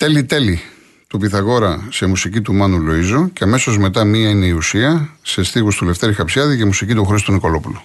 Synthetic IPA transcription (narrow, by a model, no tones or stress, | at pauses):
t̪e̞lit̪e̞li | t̪upiθɐɣo̞ɾɐse̞musicit̪umɐnulo̞izoceɐme̞so̞zme̞t̪ɐmiɐine̞iusiɐse̞st̪iɣust̪ule̞ft̪e̞ɾixɐpsjɐðicemusicit̪uxɾist̪uniko̞lo̞pulu